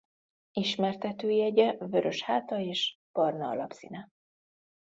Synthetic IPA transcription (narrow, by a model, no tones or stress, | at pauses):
iʃmɛrt̪ɛt̪øːjiɛɟɛvø̞ɾø̞ʃhaːt̪ɒeːʃ | b̥ɒrnɒɒ̰lɒpsḭnɛ